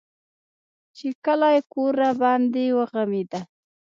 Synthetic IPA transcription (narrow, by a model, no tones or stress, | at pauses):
t͡ʃekəlajkoɾabɑnd̪ewəɣamid̪a